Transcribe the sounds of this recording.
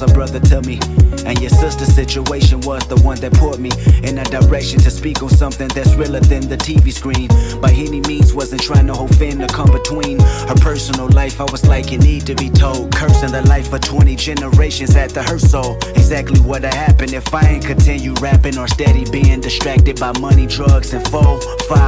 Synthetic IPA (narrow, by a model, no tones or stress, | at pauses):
bɹʌðə˞tʰɨmiɨ̃njə˞sɪstə˞sɪt͡ʃueɪʃɨ̃nwʌzðəwʌ̃nðɨt̚pʰɔɹt̚miɨ̃nɨdə˞ɛkʃɨ̃ntʰɨspikʌvsʌ̃mθɪ̃ŋðætsɹɪlˠə˞ðɨ̃nðɨtʰiviskɹĩnb̥aɪɪ̃nimĩnzwʌzɨ̃ntʰɹ̥aɪɪ̃ŋtʰəhoʊfɛ̃ntɨkʰʌ̃mbɨtʰw̥ĩnhə˞pʰɜ˞sənl̩ˠlaɪfaɪwʌzlaɪkɨnid̚tʰɨbitʰoʊlˠd̚kʰɜ˞sɨ̃nðɨlaɪfə̥˞tʰw̥ɛ̃ɾ̃id͡ʒɛnə˞eɪʃɨ̃nzɨt̪̚ðɨhə˞soʊlˠɨɡzæk̚tˡliwʌɾɨhæpɨ̃ndɨfaɪɨ̃nkʰɨ̃ntʰɪ̃njʉɹæpɪ̃ŋə˞stɛɾibæ̃ndɨstɹ̥æk̚tɨd̚baɪmʌñidɹʌɡzɨ̃nfɔ | fa